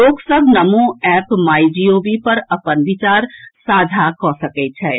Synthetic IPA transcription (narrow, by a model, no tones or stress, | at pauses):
loːɡsəbʱnɐmõɛːpmaːid͡ʒioːbipɐɾɐpənʋɪt͡ʃaːɾsaːd͡ʒʱakɔːsɐkɛt͡ʃʰɛː